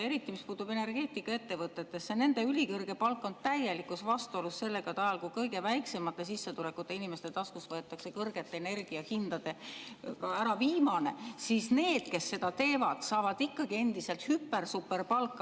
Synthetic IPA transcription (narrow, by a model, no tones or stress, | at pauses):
eɾit̪ˑːimispuːt̪ub̥e̞ne̞rɡ̥e̞ːt̪ːˑikːˑɑe̞t̪ːe̞vɤt̪ːˑet̪ːe̞sːene̞nd̪̥e̞ylʲikɤrɡ̥e̞pɑlkˑːo̞nt̪æjelikːˑusvɑst̪uo̞lusse̞lːe̞ɡ̥ɑt̪ɑjɑlkujkɤjɡe̞væjksemɑt̪ːˑe̞s̬isːet̪ulekːˑut̪ːˑe̞inime̞st̪e̞t̪ɑskusvɤet̪ːˑɑkse̞kɤrɡ̥e̞t̪ːˑeene̞rɡ̥iɑhind̪ɑd̪e̞kɑæɾɑviːmɑne̞sisne̞ːd̪̥̚ke̞sːe̞d̪̥ɑt̪e̞ːvɑd̪̥sɑːvɑd̪̥ikːɑɡ̥ie̞nd̪̥ise̞lt̪hypːe̞rsupːe̞rpɑlkːˑ